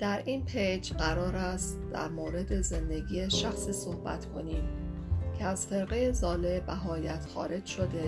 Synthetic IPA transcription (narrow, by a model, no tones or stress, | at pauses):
d̪̥æɾiːnpʰejd͡ʒɢæɾɒːɾæst̪d̪̥æ̰ɾmoːɾe̞d̪e̞ze̞nd̪e̞ɡiːjeʃæxsiːso̞hbæ̰t̪kʰo̞̰niːm | cʰeæz̥fe̞ɾɣejezɒːlebæɦɒːjæt̪xɒ̰ːɾe̞d͡ʒʃo̞d̪e̞